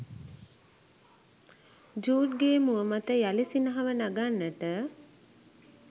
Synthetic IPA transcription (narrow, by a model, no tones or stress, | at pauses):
d͡ʒuːʈɡeːmuəmat̪əjalisinəɦaʋənaɡanːəʈə